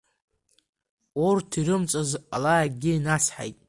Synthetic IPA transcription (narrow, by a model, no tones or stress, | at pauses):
ortʰiɾɨmt͡sʼozalaɡʲɪinat͡sʰħa̰jtʼ